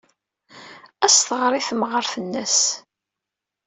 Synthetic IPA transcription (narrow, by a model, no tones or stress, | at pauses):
æsθəʁɾˤiθmʁəɾθənːæs